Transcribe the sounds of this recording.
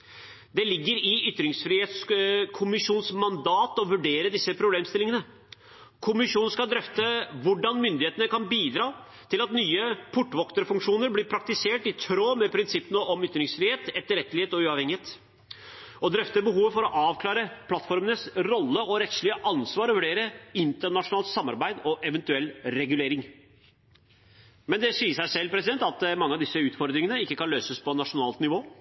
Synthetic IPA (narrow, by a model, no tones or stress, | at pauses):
d̪ɛlɪɡːəɾɪʏt̪ːɾɪŋsfɾieːt̪skʰʊmɪʂuːnsmɑnd̪ɑːt̪ɔʋʉɖeːɾəd̪ɪsːəpʰɾʊbleːmst̪ɪlɪŋənə | kʰʊmɪʂuːnnskɑd̪ɾœft̪əʋʊɖɑnmʏnd̪ɪheːt̪ənəkɑnbiːd̪ɾɑː | t̪ʰɪlɑt̪nyːəpʰʊʈːʋɔkt̪əɾfʉŋkʂuːnəɾblɪɾpʰɾɑk̚t̪ɪseːʈɪt̪ʰɾoːmɛpʰɾɪnsɪpːənəʔɔmʏt̪ɾɪŋsfɾiːheːt̪ɛt̪ːəɾɛt̪ːəlɪeːt̪ɔʉːɑːʋɛŋːɪheːt̪ | ɔd̪ɾœft̪əbəɦuːʋəfɔɾɔʔɑːʋkʰlɑːɾəpʰlɑt̪fɔɾmənəsɾɔlːəɔɾɛt̪ʂɭɪəʔɑnsʋɑːɾɔʋʉɖeːɾəɪnt̪əɳɑʂʊnɑːlt̪sɑmːɑ̰ɾbæɪd̪ɔʔɛʋɛnt̪ʉɛlːɾɛɡʉleːɾɪŋ | mɛnd̪ɛsiːəʂæɪʂɛlːpʰɾɛsɪd̪ɛnt̪ɑt̪mɑŋːəɑʋd̪ɪsːəʉːt̪fɔɾd̪ɾɪŋənəɪkːəkɑnløːsəspɔnɑʂʊnɑːlt̪nɪʋoː